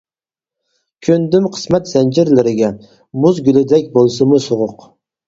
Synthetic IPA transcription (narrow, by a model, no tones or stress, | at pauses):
kʲʰɵnd̪ɪmqʰɨ̥smæt̪z̥ænd͡ʒɪɾlɪɾɪɡʲa | mʊzɡʲylɪd̪akʲbolˠsɪmʊsʊʁʊq